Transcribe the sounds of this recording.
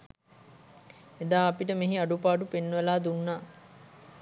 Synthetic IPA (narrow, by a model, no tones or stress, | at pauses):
ed̪aːɐpiʈəmeɦiaɖupaːɖupenːʋəlaːd̪unːaː